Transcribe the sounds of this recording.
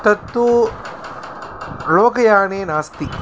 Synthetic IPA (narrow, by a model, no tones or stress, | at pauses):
t̪ɐt̪ːu | loːkɐjaːneːnaːst̪i